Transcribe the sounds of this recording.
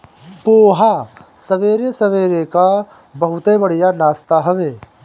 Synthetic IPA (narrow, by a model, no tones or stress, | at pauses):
boːɦasɐʋeːɾesɐʋeːɾeka | bɐɦʊt̪ebɐɽijanaːst̪aɦɐʋeː